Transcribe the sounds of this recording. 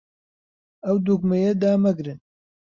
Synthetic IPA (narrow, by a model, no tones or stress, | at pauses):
ɐwd̪uɡ̚mɐjɛd̪aːmɐɡɾɨn